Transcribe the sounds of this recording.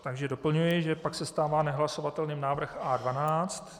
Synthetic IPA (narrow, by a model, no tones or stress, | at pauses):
t̪aɡʒɛdo̞pl̩ɲujɪʒɛpaksɛst̪aːvaːnɛɦlasovat̪ɛlniːmnaːvr̩xaːdvanaːt͡st̪